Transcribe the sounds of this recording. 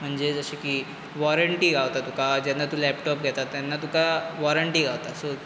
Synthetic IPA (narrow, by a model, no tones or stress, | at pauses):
m̤əɳd͡zed͡zəɕikiː | ʋɔɾəɳʈiːɡʱawt̪at̪ukad͡ʑanːat̪ulɛpʈɔp̚ɡʱɛt̪at̪ːjanːat̪ukaʋɔɾəɳʈiːɡʱawt̪aso